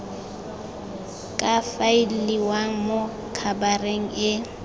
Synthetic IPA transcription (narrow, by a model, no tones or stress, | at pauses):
kʼafaɪlliwaŋ̩mʊ | kʰabareŋ̩ɪ